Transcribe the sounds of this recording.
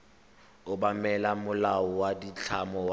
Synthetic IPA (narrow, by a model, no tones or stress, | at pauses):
ʊbamɛlamʊlawɔwadit͡ɬʰamɔw